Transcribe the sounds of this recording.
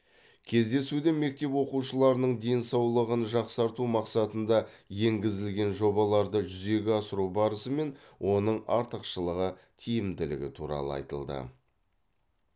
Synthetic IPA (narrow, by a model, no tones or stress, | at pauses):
kʲʰe̞zd̪e̞sud̪ɪme̞k̚t̪e̞pwo̞quʃəlˠɑɾənəɴd̪e̞jnsɑwlˠəʁənʒɑqsɑɾt̪umɑqsɑt̪ənd̪ɑje̞ŋɡʲɪzɪlɡʲe̞nʒo̞bɑlˠɑɾd̪əʒʏze̞ɡʲɪɑsəɾubɑɾəsəme̞nwʔo̞nəɴɑ̰ɾt̪əqʃəlˠəʁə | t̪ʰijɪmd̪ɪlɪ̰ɡʲɪ̰t̪ʰuɾɑ̰lˠə̰ɑ̰jt̪ə̰lˠd̪ə̰